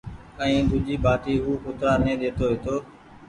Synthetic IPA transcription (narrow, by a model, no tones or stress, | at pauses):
ə̃ĩːd̪ʊd͡ʒiːbʱaːʈiːɦuːkʊt̪ɾaːnẽːd̪eːt̪oːʋɪt̪oː